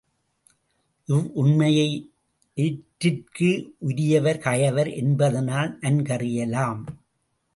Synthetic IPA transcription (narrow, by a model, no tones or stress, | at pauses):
ʔɪʋʔʊɳmɐjɐɪ | ɪʈɾɪrkɯʔʊɾɪjɐʋɐɾkɐjɐʋɐɾʔɛnbɐðɐnaːlʔɐnkɐrɪjɐlaːm